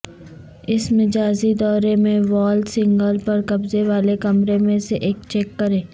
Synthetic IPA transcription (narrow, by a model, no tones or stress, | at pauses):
ɪsmɪd͡ʒaːzid̪ɔːɾemẽʋɔːlsɪ̃ŋɡəlpɐɾkɐbzeʋaːlekɐmɾemẽseʔeːkt͡ʃɛːkːɐɾẽː